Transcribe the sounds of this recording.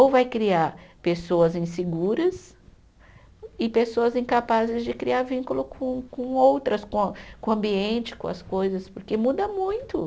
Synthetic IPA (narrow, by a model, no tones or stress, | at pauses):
owvajkɾiaɾpesowɐzĩseɡuɾɐs | ɪpesoɐzĩkapazɪzd͡ʒɪkɾiaɾvĩŋkulʊkʰõkõowt̪ɾɐskõkõɐ̃mbiẽnt͡ʃɪ̥kõ̰ɐ̰skojzɐspʊɾkemud̪ɐmũj̃t̪ʊ